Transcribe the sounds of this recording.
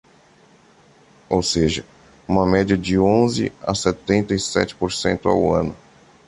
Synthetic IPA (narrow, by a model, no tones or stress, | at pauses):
owseʒɐ | ũmɐmɛd͡ʒiɐd͡ʒɪõzɪ̰a̰sɛt̪ẽnt̪ɐisɛ̰t͡ʃɪ̥poɾsḛ̃nt̪ʊa̰wɐ̃nʊ